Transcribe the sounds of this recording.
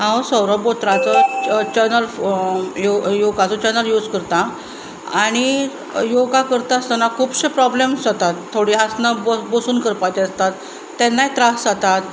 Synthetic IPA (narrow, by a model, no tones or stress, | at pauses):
ɦãwsəwɾɔbot̪ɾat͡sɔt͡ɕəɾnəl | jojoɡat͡sɔt͡ɕəɾnəljuːd͡zkəɾt̪a | aɽ̃i | joɡakəɾt̪aəst̪ənakʰuːpɕepɾɔblemsət̪at̪ʰːoɽiɦasnabəbəsuːnkəɾpajt̪eəst̪at̪ː | ɛnːajt̪ɾasd͡zat̪at̪